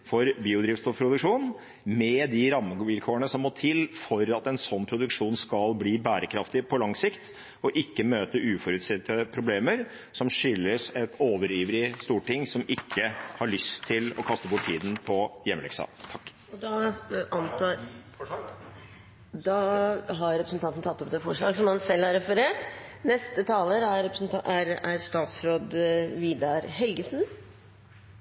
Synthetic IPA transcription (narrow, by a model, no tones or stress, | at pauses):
fɔɾbiːʊd̪ɾɪːftst̪ʊpʰɾʊd̪ʉkʂuːn | mɛd̪ɪɾɑmːəɡʋɪlkʰoːəɳəsɔmːoːt̪ʰɪlfɔɾɑt̪ɛnsɔnːpʰɾʊd̪ʉkʂuːnskɑlbliːbæːɾəkʰɾɑft̪ɪpʰɔlɑŋsɪkt̪ | ɔʔɪkːəmøːt̪əʔʉːfɔɾʉt̪sɪt̪ːəpʰɾʊbleːməɾ | sɔmʂʏlːəsɛt̪ʰoːʋəɾiːʋəɾɪst̪uːʈɪŋsɔmɪkʰːəhɑɭʏst̪ʰːɪlɔkʰɑst̪əbʊʈʰːtʰiːd̪ən̩pʰɔjɛmːlɛ̰ksɑ̰ːt̪ʰɑkː | ɔd̪ɑʔɑnt̪ʰː | d̪ɑɦɑɾɾɛpɾəsən̩t̪ʰɑnt̪n̩t̪ʰɑt̪ːɔp̚d̪eːfɔʂɭɑːɡsɔmɑnsɛlːæɾɛfəɾeːʈnɛst̪ət̪ʰɑːləɾæɾɾɛpɾsnæɾæɾst̪ɑːt̪sɾoːd̪ʋiːd̪ɑɾɦɛlɡəsn